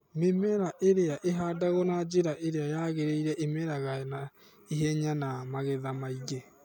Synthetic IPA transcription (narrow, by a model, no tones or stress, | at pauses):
memɛɾaʔeɾeaʔeɦadaɣɔnad͡ʒeɾaʔeɾeajaɣeɾeiɾɛʔemɛɾaɣaɛna | eɦɛɲanamaɣɛðamaiɣe